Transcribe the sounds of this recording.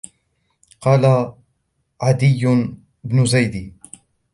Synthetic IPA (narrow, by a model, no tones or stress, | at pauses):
qɑːla | ʕad̪ɪjːʊ | ɪbnʊzajd̪iː